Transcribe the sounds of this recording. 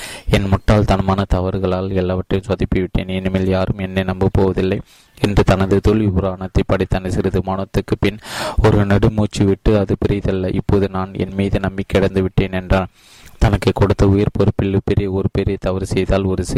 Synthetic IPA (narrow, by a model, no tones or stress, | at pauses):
ɛnmʊʈːaːlt̪ɐnɯmaːnɐt̪ɐʋɐɾɣɐɭaːlɛlːaːʋɐʈrɐjɯ̃msɐðɪpːɯʋɪʈːḛːnɛnɯmeːljaːɾɯmɛnːenɐmbɯpːoːʋɐðɪlːɐɪ | ɛndrɯt̪ɐnɐðɯt̪ɔɭipʊɾaːɳɐt̪ːɐɪpːɐɽɪt̪ːɐnɐsɪɾɯðɯmaːnɐt̪ːɯkːɯpɪnɔɾɯnɛɽɯmuːt͡ʃːiʋɪʈːɯɐðɯpɪɾɪjðɐlːɐʔɪpːoːðɯnaːnɛ̰nmiːðɯnɐmbɪkːɪɽɐnd̪ɯʋɪʈːeːnɛndraːl | t̪ɐnɐkːɯkːɔɽɯt̪ːɐʊjɐɾpɔɾɯpːɪɭːɯpɛɾɪjɐɔɾɯpɛɾɪjɐt̪ɐʋɐɾsɛjðaːlɔɾɯs